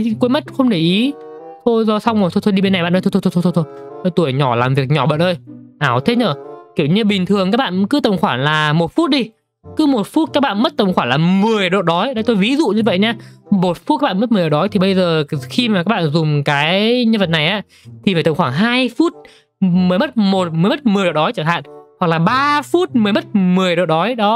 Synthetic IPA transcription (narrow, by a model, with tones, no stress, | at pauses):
kmə˦˥t̚xə˧wŋ͡mɗe˧˩ʔi˨˦ | t̪ʰo˧jzɔ˧˩sa˧wŋ͡mmo˨˩t̪ʰo˧t̪ʰo˧jɗi˧ɓe˧na˨˩jɓa̰˧˨ʔə˧t̪ʰo˧t̪ʰo˧t̪ʰːjtʰo˧t̪ʰo˧jt̪ʰjjt̪u˧˩əjɲɔ˧˩laː˨˩mvi˨˩ək̚ɲɔ˧˩ɓə̰ː˧˨nʔəː˧jʔaː˧˩wt̪ʰe˦˥t̚ɲəː˧˩ki˧˩əwɲɨ˧ɓï˨˩ŋ̟t̪ʰɨ˨˩əŋkaː˦˥k̚ɓa̰ː˧˨nkɨ˨˦t̪ə˨˩wŋ͡mxwaː˧˩nlaː˨˩mo˨˩t̚fu˦˥t̚ɗi˧ | kɨ˨˦mo˨˩t̚fu˦˥t̚kaː˦˥k̚ɓaː˧˨nmə˦˥t̚t̪ə˨˩wŋ͡mxwaː˧˩ŋlaː˨˩mɨ˨˩əjɗo̰˧˨ɗɔ˨˦jɗə˧jt̪o˧jvi˨˦zṵ˧˨ɲɨ˧və̰˧˨jɲaː˧mo˨˩t̚fu˦˥t̚aː˦˥ɓ̰ːm˦˥t̚mɨ˨˩ə˩˨o˨ɗɔ˨˦jt̪i˨˩ɓə˧jzəː˨˩xi˧maː˨˩ka˦˥ɓa̰ː˧˨nzʊ˨˩ŋ͡mkaː˨˦jɲə˧nvə˨˩t̚na˨˩jʔaː˨˧˥ | t̪ʰi˨˩faː˧˩t̪ə˧˩ŋ͡mxwaː˧˩ɦaː˧jfu˦˥t̚ | mɨ˨˦jmə˦˥t̚mo˨˩t̚mɨ˨˩jmə˦˥t̚mɨ˨˩əjɗo̰˧˨˩ɗɔ˨˦jt͡ɕəː˧˩ɦa̰ː˧˨nha˨˩k̚laː˨˩ɓaː˧fu˦˥t̚mɨ˨˩əjmə˦˥t̚mɨ˨˩əjɗo̰˧˨ɗɔ˨˦jɗɔ˨˦